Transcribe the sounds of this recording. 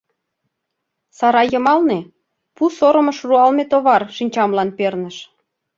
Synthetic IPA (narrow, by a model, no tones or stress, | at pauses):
sɑɾɑjə̆mɑlne | pusoɾə̆mə̆ʃruɑlmet̪oβɑrʃinʲt͡ɕɑmlɑnpernəʃ